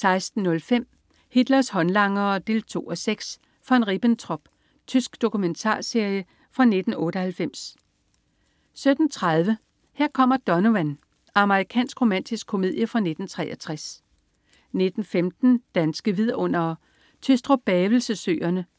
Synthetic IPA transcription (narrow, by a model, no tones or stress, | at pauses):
sɑ̈ɪsd̥n̩ːɔ̽lfem̰ | hid̥lɐshɒ̽nlɑ̈ŋɐd̥e̝̰ːlt͡sʰo̝̰ːɒ̽seɡ̥s | fɒ̽enʁib̥ənt͡sʰʁɒ̽b̥ | t͡sʰysɡ̥d̥o̝kument͡sʰɑ̰̈ːse̝ɐ̰jə | fʁɑ̈ne̝d̥n̩ɔ̽ːɾəhælfem̰s | sød̥n̩t͡sʰʁað̞ˠʋə | heɐ̰kʰɒ̽m̰ɐd̥ɒ̽noʋæn | ɑ̈məʁikʰɛ̰ːnsɡ̥ʁo̝mæn̰d̥isɡ̥kʰːo̝me̝ð̞̰ˠjəfʁɑ̈ne̝d̥n̩t͡sʰʁɛ̰ːʔɐt͡sʰʁas | ne̝d̥n̩femd̥n̩d̥ænsɡ̥əʋið̰ˠɔ̽n̰ɐ | t͡sʰysd̥ʁɔb̥ɛːʋl̩səsøːɐnə